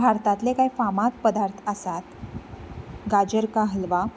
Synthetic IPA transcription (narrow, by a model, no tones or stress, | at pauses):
bʱaɾt̪at̪lekaifamat̪̚pəd̪aɾt̪ʰəsat̪ | ɡad͡ʑəɾkaɦəlʋa